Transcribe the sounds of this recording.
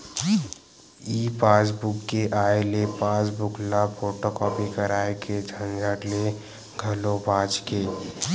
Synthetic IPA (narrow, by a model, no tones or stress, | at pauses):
iːpaːsbʊkːeʔaːelepãːsbʊkʰlafoːʈokɔːpikəɾaːekʰed͡ʒʱə̃nd͡ʒaːʈle | ɡʱɐlobaːt͡ʃkeː